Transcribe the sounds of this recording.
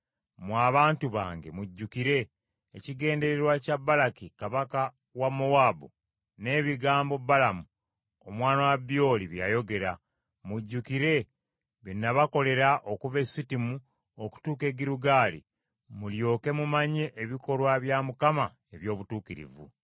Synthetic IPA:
mwaːβaːntuβa̰ːŋɡe̞̰muɟːukiɾe̞ː | ciɡe̞ːnde̞ɾeɾwacabːalakikaβaka | wamːowaːbu | ne̞ːβiɡaːmbo̞bːalamu | omwaːnawabːio̞ːliβja̰jo̞ɡe̞ɾa | muɟːukiɾe̞ | βinːaβako̞le̞ɾaʔokuve̞sitimu | oku̥tuːke̞ɡiɾuɡaːlḭ | muljo̞ːke̞mumaɲe̞ʔːβiko̞lwaβjamukama | e̞βjo̞ːβutuːkiɾḭvṵ

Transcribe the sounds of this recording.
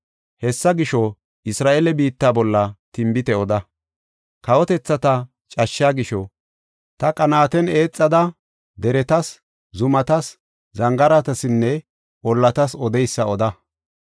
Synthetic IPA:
hɛsːɐɡɪʃɔ | ɪsɾaːʔelɛbiːt̪ːaːbɔlːɐt̪ɪmbɪt̪ɛɔd̪ɐ | kɐwɔt̪ɛt͡sːɐt̪ɐ | t͡ʃʼɐʃːaːɡɪʃɔ | t̪ɐkʼɐnaːt̪ɛne̞ːt͡sʼːɐd̪ɐ | d̪ɛɾɛt̪ɐs | zʊmɐt̪ɐs | zɐŋɡɐɾɐt̪ɐsɪnːɛ | ɔlːɐt̪ɐsɔd̪ɛjsːɐɔd̪ɐ

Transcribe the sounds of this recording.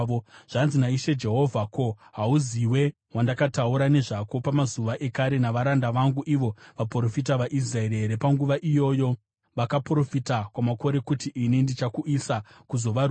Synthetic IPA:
oʐ̥anzinaiʃe̞d͡ʒe̞ɦo̞vʱako̞ɦauziwe̞ | wandakatauɾane̞ʐako̞pamazuʋaʔe̞kaɾe̞naʋaɾandaʋaŋɡuʔiʋo̞ʋapro̞fit̬aʋaʔis̬raeɾeeɾepaŋɡuʋaʔijo̞jo̞ | ʋakapro̞fitakwamako̞ɾe̞kutiʔinindit͡ʃakuʔisakuzo̞ʋar

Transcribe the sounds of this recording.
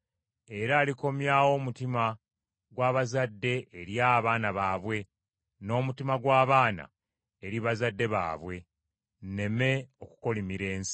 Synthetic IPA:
e̞ɾaːliko̞mjaːwo̞ːmutima | ɡwaːβazadːe̞ːɾjaβaːnaβaːβwe̞ | no̞ːmutimaɡwaːβaːna̰ | eɾiβazadːe̞βa̰ːβwe̞ | nne̞me̞o̞ku̥ko̞limiɾe̞ːnsi̥

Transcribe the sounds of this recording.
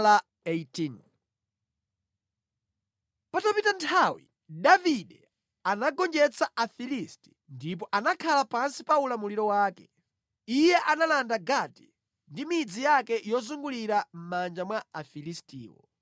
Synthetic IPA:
la | etin | patapitantʰawḭ | ɗaviɗɛ | anaɡɔnd͡ʒɛt͡saʔafilisti̥ | ndip̬ɔʔanakʰalapansipaulamuliɾɔwaːkɛ̥ | ijɛʔanalandaɡati̥ | ndimid͡zijakɛjɔzuŋɡuliɾam̩mand͡ʒamwaafilistḭːwɔ̰

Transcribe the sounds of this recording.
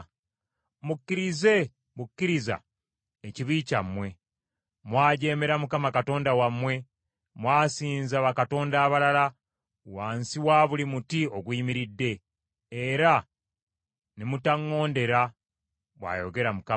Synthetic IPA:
mukːiɾize̞ | mukːiɾiza̰ | eciβiːcamːwe̞ | mwaːɟe̞ːme̞ɾamukamakato̞ːndawamwe̞ | mwaːsiːnzaβakato̞ːndaːβalala | waːnsiwaːβulimutio̞ɡwiːmiɾidːe̞ː | ɾa | nemutaŋːo̞ːnde̞ɾa | βwa̰ːjo̞ɡe̞ɾamuka

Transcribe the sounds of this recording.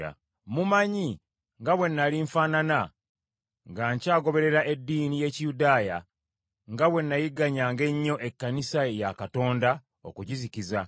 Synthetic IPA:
a̰ | mumaɲi | ŋɡaβwe̞nːaliɱfaːnana | ŋɡaɲcaːɡo̞βe̞ɾe̞ɾaʔe̞dːiːnije̞cijudaːja | ŋɡaβwe̞nːajiɡaɲaːŋɡe̞ɲːo̞ʔe̞kːanisajakato̞ːnda | o̰kuɟiziciza

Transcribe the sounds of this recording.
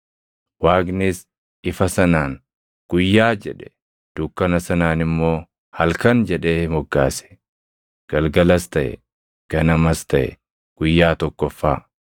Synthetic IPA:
waːɡnɪs | ʔɪfɐsɐnaːŋ | ɡ̥ʊjːaːd͡ʒɛᶑɛ̥ | d̪̥ukːɐnɐsɐnaːnɪmːo̞ː | hɐlkɐnd͡ʒɛᶑe̞ːmɔɡːa̰ːsɛ̥ | ɡ̥ɐlɡɐlɐst̪ɐʔɛ̰ | ɡ̥ɐnɐmɐst̪ɐʔɛ̰ | ɡ̥ʊjːaːt̪ɔkːɔfːaː

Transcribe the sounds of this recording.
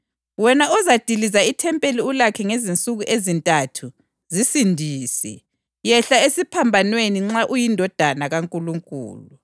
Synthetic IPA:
wɛnaɔzad̥ʱilizaitʰɛmpʼeliulakʰɛŋezint͡sʼuɣuʔezintʼatʰu | zisindʱiːsɛ̰ | jɛɬaesipʰambʱanweniŋ͡ǁaʔujindʱɔd̥ʱanaɣaŋkʼuluŋkʼṵːlu

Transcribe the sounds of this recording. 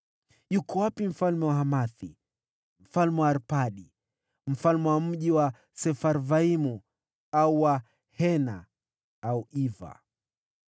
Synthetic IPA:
jukɔwapim̩falmɛwaɦamaθi | m̩falmɛwaɾpaɗi | m̩falmɛwam̩ʄiwa | sɛfaɾvaimu | auwa | hɛna | auiva̰

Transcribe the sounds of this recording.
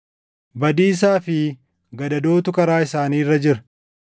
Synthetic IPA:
bɐd̪iːs̬aːfɪ | ɡɐd̪ɐd̪oːt̪ʊkɐɾaːɪsaːniːrːɐd͡ʒɪɾɐ̥

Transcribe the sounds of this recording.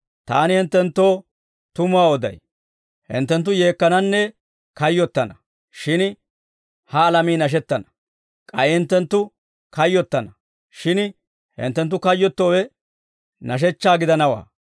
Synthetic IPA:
t̪a̰ːnɪhɪnt̪ːɛnt̪ːo̞ː | t̪ʊmʊaːɔd̪ɐ̰j | hɪ̰nt̪ːɛnt̪̬ːʊje̞ːkːɐnɐnːɛ | kɐjːɔt̪ːɐnɐ | ʃɪn | hɐːlɐmiːnɐʃ̬ɛt̪ːɐnɐ̥ | kʼɐjɪhɪnt̪ːɛnt̪ːʊ | kɐjːɔt̪ːɐnɐ | ʃɪn | hɪ̰nt̪ːɛnt̪̬ːʊkɐjːɔt̪ːo̞ːwɛ | nɐʃ̬ɛt͡ʃːaːɡɪd̪ɐnɐwa̰ː

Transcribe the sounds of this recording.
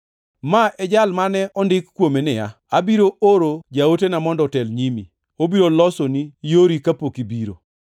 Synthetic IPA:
maʔɛd͡ʒalmanɛʔɔndɪkkːwomenɪja̰ | abiɾooɾod͡ʒaotenamɔndɔtɛlɲimi | obiɾolɔsonijoɾikapokibiɾo̰

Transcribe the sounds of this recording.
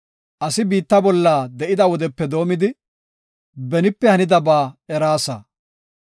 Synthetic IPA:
ʔɐsɪbiːt̪ːɐbɔlːaːd̪ɛʔɪd̪ɐwɔd̪ɛpːɛd̪o̞ːmɪd̪ɪ | bɛnɪpːɛhɐnɪd̪ɐbaːɛɾaːsɐ̰

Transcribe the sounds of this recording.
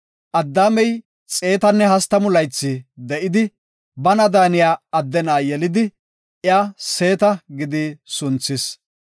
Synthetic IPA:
ʔɐd̪ːaːmɛj | t͡sʼe̞ːt̪ɐnːɛhɐst̪ɐmʊlɐjt͡sːɪd̪ɛʔɪd̪ɪ | bɐnɐd̪aːnɪjaːɐd̪ːɛnaːjɛlɪd̪ɪ | ɪaːse̞ːt̪ɐɡɪd̪ɪsʊnt͡sːɪs

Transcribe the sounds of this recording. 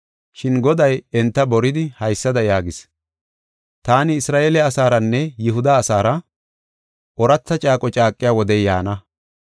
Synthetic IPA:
ʃɪnɡɔd̪ɐjɛnt̪ːɐbɔɾɪd̪ɪhɐjsːɐd̪ɐjaːɡɪs | t̪aːnɪːsɾaːʔeːlɛɐsaːɾɐnːɛjɪɦʊd̪ɐːsaːɾɐ | ʔɔɾɐt͡sːɐt͡ʃʼaːkʼɔt͡ʃʼaːkʼːɪjaːwɔd̪ɛjja̰ːnɐ

